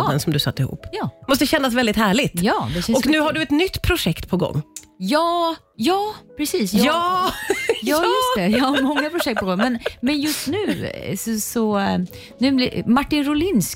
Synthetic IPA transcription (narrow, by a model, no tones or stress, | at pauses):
d̪ɛnsɔmd̪ɵsa̰t̪ːɪhṵːpːjɑːmɔst̪əɕɛnːasvɛld̪ɪt̪hæːɭɪt̪jɑːd̪ɛɔknʉ̟ːhaɖɵɛt̪nʏt̪ːpʰɾʊʂɛkt̪pʰɔɡɔ̰ŋː | jɑː | jɑːpʰɾɛsiːsjɑ | jɑːjɵsɛjɑhaɾmɔŋːapʰɾʊʂɛkt̪̚pʰɔɡɔŋːmɛnmɛnjɵst̪nʉ̟ːsɔsɔ | nʉ̟ːblɪmaʈːɪnɾʊlɪns